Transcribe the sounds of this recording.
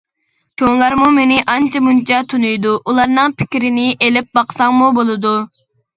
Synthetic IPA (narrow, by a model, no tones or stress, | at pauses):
kʲʰoŋlˠɑɾmumenɪʔɑnt͡ʃʰɑmunt͡ʃʰɑt̪ʰunujd̪uʔulˠɑɾnɨŋpʰɪ̥kʲɾɪnɪʔelɪp̚bɑqsɑŋmubolˠɨd̪u